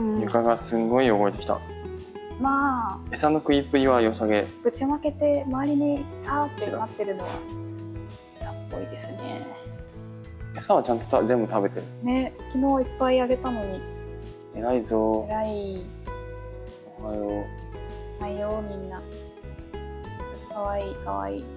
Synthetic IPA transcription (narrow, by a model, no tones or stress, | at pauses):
jɯkaɡasɨ̃ŋɡo̞io̞ɡo̞et̪e̞kʲi̥t̪a̰ | maːe̞sano̞kɯ̟ipɯ̟ɾʲiβajo̞saɡe̞ɡ̥ɯ̟t͡ɕimake̞t̪e̞maːɾʲiɲ̟isaːt̪ːenat̪ːe̞ɾɯ̟no̞βa̰ | sapːo̞id̪e̞sɨne̞̰ | esaβat͡ɕãnt̪o̞̥t̪azẽ̞mbɯ̟t̪abe̞t̪eɾɯne̞kʲino̞ːipːaiaɡe̞t̪ano̞ɲ̟i | eɾaizoeɾai | oβajo | naijomʲĩnːa | kaβaiːkaβa̰iː